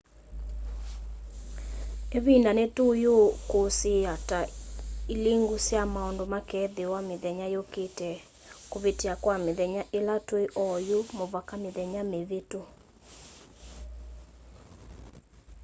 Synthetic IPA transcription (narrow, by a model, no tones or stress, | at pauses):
eβindanetojokosejataileŋɡusjamaɔndomakɛðewameðɛɲajoketɛ | koβeteakwameðɛɲaʔelatweʔɔjomoβakameðɛɲameβeto